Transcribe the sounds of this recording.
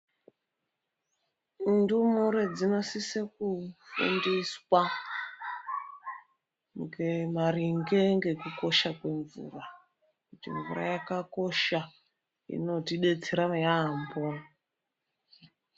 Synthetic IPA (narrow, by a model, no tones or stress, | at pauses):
ndumuɾed͡zino̞sisekufṵndiswa | ŋɡemaɾiŋɡe̞ŋɡe̞kuko̞ʃakwe̞ɱvṵra | kutḭɱvṵra̰jakako̞ʃa | ḭno̞tiɗe̞t͡seɾajambo